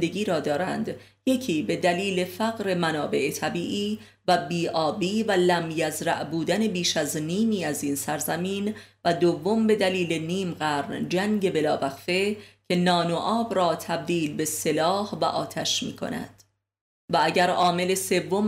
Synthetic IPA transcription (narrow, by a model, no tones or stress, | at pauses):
d̪eɡiːɾɒːd̪ɒːɾæ̰nd̪ | je̞cʰiːbe̞d̪æliːle̞fæɣɾe̞mænɒːbe̞ʔet̪ʰæbiːʔiː | væbiːʔɒːbiːvælæmjæzɾæ̰ʔbuːd̪æne̞biːʃæzniːmiːæziːnsæɾzæmiːnvæd̪ovːo̞mbe̞d̪æliːle̞niːmɢæːɾnd͡ʒæŋɟe̞be̞lɒːvæχfe̞cʲʰe̞nɒːnoʔɒːbɾɒːt̪ʰæb̚d̪iːlbe̞se̞lɒːhvæʔɒ̰ːt̪ʰæʃmḭːkʰo̞̰næ̰d̪̥ | vææɟæɾɒːme̞le̞se̞vːo̞m